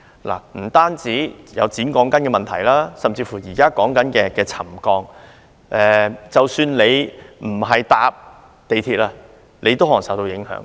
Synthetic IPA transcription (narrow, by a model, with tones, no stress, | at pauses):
la̰ː˨˩m̩˨˩t̪aː˥nt͡siː˨˥jɐ̰˨˧wt͡siː˨˥nkɔː˨˥ŋkɐ˨˥nkɛː˧mɐ˨nt̪ʰɐ̰˨˩jlaː˥sɐ˨mt͡siː˧fuː˨˩jiː˨˩kaː˥kɔː˨˥ŋkɐ˨˥nkɛː˧kɛː˧t͡sʰɐ˨˩mkɔː˧ŋ | ʔɛː˨t͡sɐ˨wsyː˧nle˨˧jm̩˨˩ɦɐ˨jt̪aː˧p̚ | t̪e˨jt̪ʰiː˧t̚laː˧ | lʔe˨˧jt̪o˥wɦɔː˨˩ŋsɐ˨˥wt̪o˧wjɪ˨˥ŋhœ̰ː˨˥ŋ